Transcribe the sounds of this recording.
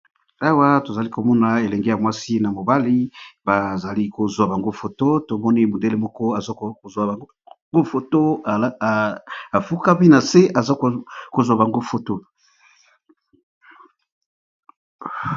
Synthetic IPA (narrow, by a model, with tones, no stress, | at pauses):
a˦wa˦to˨za˨li˦ko˨mɔ˦na˨e˨lɛ˨ŋɡe˦ja˨mwa˦si˦na˨mo˨ba˦li˦ba˨za˨li˦ko˨zwa˨ba˨ŋɡo˦fo˨to˦to˨mɔ˦ni˦mo˨nde˦le˦mɔ˦kɔ˦a˨za˦o˨zwa˨ | ŋɡo˦fo˨to˦˨ | a˨fu˦ka˦bi˦na˨se˦a˨za˦˨ko˨zwa˨ba˨ŋɡo˦fo˨to˦